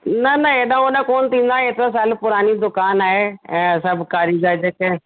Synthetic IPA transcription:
nɐnəeːɗ̪ãːʊnɛ̃koːnt̪ĩːnd̪aːɦeet̪ɾas̬aːlpʊɾaːnid̪ʊkaːnaːɦeɛ̃ːsɐbkaːɾiːd̪aːd͡ʒəkɛ

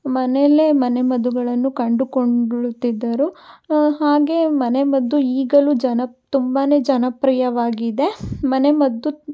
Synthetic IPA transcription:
mɐnele̞mɐne̞mɐd̪uɡɐɭɐnːukɐɳɖukoɳɭut̪ːid̪ːɐɾuhaːɡe̞mɐne̞mɐd̪ːuiːɡɐlud͡ʒɐnɐt̪umbane̞ːd͡ʒɐnɐpɾijɐʋaːɡid̪e̞mɐne̞mɐd̪ːu

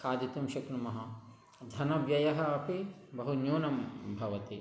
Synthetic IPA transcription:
kaːd̪it̪umʃɐknumɐɦɐ | d̪ʱɐnɐʋjɐjɐɦɐɐpʰibɐɦunjuːnɐmbʱɐʋɐt̪i

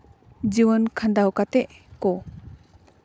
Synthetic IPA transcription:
d͡ʒiwənkʰand̪awkat̪ɛʔkɔ

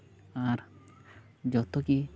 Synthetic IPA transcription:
aɾ | d͡ʒɔt̪ɔki

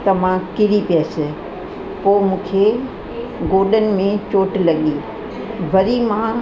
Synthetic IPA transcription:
t̪ɐmãkɪɾipijasɪ | poːmũːkʰe | ɡoːɾɗənɪ̆mẽt͡ɕoːʈlɐɠiː | bʱɐɾimã

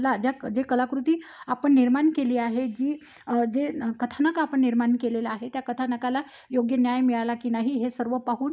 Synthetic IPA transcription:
lad͡ʑjad͡ʑekəlakɾut̪iːapəɳːiɾmankeliːaɦed͡ʑiː | d͡ʑekət̪ʰanəkaapəɳːiɾmankelelaːɦet̪jakət̪ʰanəkala | joɡjənjajmiɭalakinaɦiɦesəɾʋəpaɦuːn

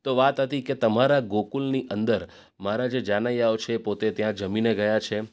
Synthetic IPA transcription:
t̪oʋat̪ɦət̪iket̪əmaɾaɡokulniʔənd̪əɾ | maɾad͡ʒed͡ʒanajaʋot͡ʃʰeːpot̪et̪jãd͡ʒəmineɡəjat͡ʃʰe

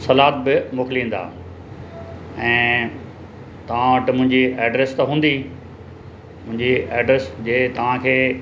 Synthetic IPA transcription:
sɐlaːt̪̚bɪmʊːklĩːn̆d̪a̰ː | ɛ̃ː | t̪ɐʋ̤ãɐʈɪmʊ̃ɦɪ̃ɲd͡ʑiɛːɖɾeːst̪ɐɦũːnd̪i | mʊ̃ɦɪ̃ɲd͡ʑiɛːɖɾesd͡ʑeːt̪ɐʋ̤ãkʰeː

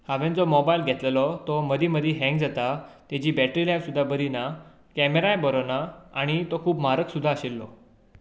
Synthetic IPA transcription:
haʋẽnd͡zɔmɔbajlɡʱɛt̪lelɔt̪ɔməd̪iməd̪ʱiɦɛ̃ŋɡ̚d͡zat̪at̪ɛd͡ʑiːbɛʈɾilajʋsud̪ʱːabəɾina | kɛmeɾajbəɾonaaɽ̃it̪ɔkʰuːpmaɾəksud̪ʱːaəɕilːɔ̰

